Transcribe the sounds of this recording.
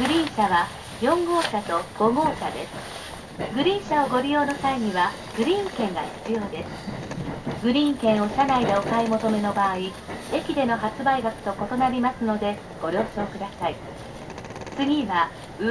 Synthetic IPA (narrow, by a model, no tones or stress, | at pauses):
ɡ̥ɯ̟ɾʲĩɰ̃ɕaβa | jõ̞ŋɡo̞ːɕat̪o̞ɡ̥o̞ɡo̞ːɕad̪e̞sɨ̥ | ɡɯ̟ɾʲĩːɰ̃ɕaoɡo̞ɾʲijo̞ːno̞saiɲ̟iβa | ɡ̥ɯ̟ɾʲĩŋkẽ̞ŋɡaçi̥t͡sɨjo̞ːd̪e̞sɨ̥ | ɡɯ̟ɾʲiŋkẽ̞ɰ̃o̞ɕanaid̪e̞o̞kaemo̞t̪o̞me̞no̞baːi | e̞kʲid̪e̞no̞ɦat͡sɨbaiɡakɯ̟̥t̪o̞ko̞t̪o̞naɾʲimasɨno̞d̪e̞ | ɡ̥o̞ɾʲo̞ːɕo̞ːkɯ̟d̪asai | t͡sɨɡʲiβa | ɯ